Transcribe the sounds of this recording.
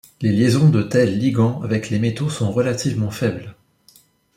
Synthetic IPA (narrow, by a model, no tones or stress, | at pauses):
leljezɔ̃d̪ət̪ɛlːiɡɑ̃avɛklemet̪osɔ̃ʁəlat̪ivmɑ̃fɛbl